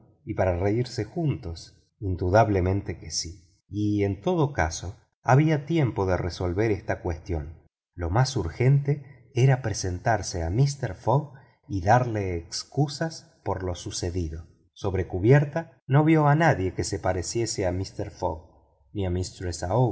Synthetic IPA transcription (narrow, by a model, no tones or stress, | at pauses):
ipaɾareiɾse̞xunt̪o̞s | ind̪uðaβle̞mẽnt̪ekesi | ient̪o̞ðoka̰so̞ | aβiat̪je̞mpo̞ðereso̞lβeɾest̪akwest̪jo̞n | lo̞masuɾxe̞nt̪e | eɾapɾesent̪aɾseamist̪eɾfoɣ | iðaɾleːkskusas | po̞ɾlo̞suseðiðo | so̞βɾe̞kuβjeɾt̪a | noβjo̞anaðje̞kesepaɾesje̞seamist̪eɾfo̰ɣ | niamist̪ɾesao